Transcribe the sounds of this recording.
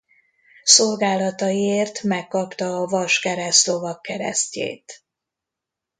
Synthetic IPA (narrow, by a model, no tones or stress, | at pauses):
so̞lɡaːlɒt̪ɒjieːrt̪mɛkːɒpt̪ɒːvɒʃkɛɾɛst̪lo̞vɒkːɛɾɛ̰scḛːt̪